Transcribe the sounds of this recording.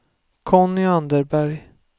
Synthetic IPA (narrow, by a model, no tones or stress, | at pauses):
kʰɔnːʏand̪əɾbæɾj